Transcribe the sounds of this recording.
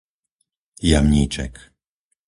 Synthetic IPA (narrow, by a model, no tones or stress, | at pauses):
jamɲiːt͡ʃɛ̰k